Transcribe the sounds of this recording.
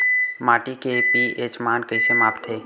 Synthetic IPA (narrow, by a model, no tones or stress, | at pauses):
maːʈikepieːt͡ʃmaːnkəisemaːpt̪ʰːeː